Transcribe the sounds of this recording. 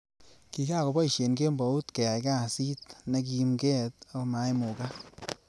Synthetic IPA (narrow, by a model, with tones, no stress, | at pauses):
ki˨ka˦˨ko˨bɔ˦i˨ʃe˨nke˦mbɔ˨˦u˦tke˨a˨ka˦˨si˦tne˧k̬i˦˧mkɛ˦t̪a˦kma˨˦jmu˨ka˦